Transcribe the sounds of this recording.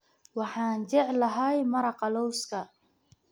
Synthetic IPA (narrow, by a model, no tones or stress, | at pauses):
wɑħɑːnt͡ʃɛʕlɐɦɐjmɐɾɑqɑlɔwskʰɐ